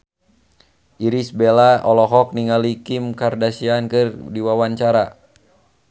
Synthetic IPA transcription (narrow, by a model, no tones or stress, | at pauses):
iɾisbɛlaɔlɔɦɔk̚niŋalikimkardasiankɨrdiwawant͡ʃaɾa